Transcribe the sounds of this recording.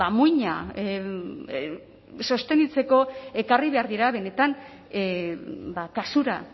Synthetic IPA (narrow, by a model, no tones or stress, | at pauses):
amujɲa̰ | so̞st̪e̞nit͡se̞ko̞e̞kariβe̞aɾðiɾaβe̞ne̞t̪an | bakasuɾa̰